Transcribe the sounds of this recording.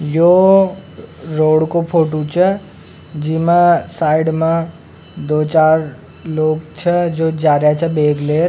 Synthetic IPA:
joː | ɾoːɽkopʰoːʈut͡ʃʰɛ | d͡ʒiːmãsaːɪɖmã | d̪oːt͡ʃaːɾ | loːɡt͡ʃʰɛd͡ʒoːd͡ʒaːɾjat͡ʃʰɛbeːɡleːɾ

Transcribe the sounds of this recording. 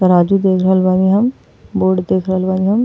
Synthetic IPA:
tɐɾaːd͡ʒud̪eːkʰɾəɦəlbaːniɦɐm | boːɖd̪eːkʰɾəɦəlbaːniɦɐm

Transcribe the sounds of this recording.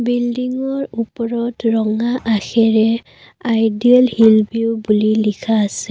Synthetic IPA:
bildiŋɔɹupɔɹɔtɹɔŋaʔaxɛɹɛ | ajdialhilbiubulilikʰaːsɛ̥

